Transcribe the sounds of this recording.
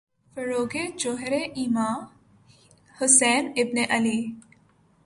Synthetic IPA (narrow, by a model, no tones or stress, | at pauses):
fəɾoːɡed͡ʒoɦɾeʔimaː | hʊsɛːnɪbneʔɐli